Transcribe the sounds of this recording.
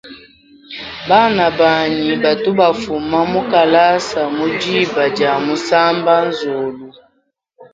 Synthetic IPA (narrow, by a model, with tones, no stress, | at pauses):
ba˦˨na˨ba˨ɲi˨ba˨tu˦ba˨fu˨ma˦mu˦ka˨la˦sa˨mu˦d͡ʒi˦˨ba˨d͡ʒa˨mu˦sa˦mba˦n˦zo˨lu˦